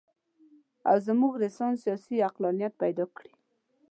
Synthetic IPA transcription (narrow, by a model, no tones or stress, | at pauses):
a̰wzəmuɡɾɪsɑnsijɑsiaqlɑnijat̪̚pajd̪ɑkɽi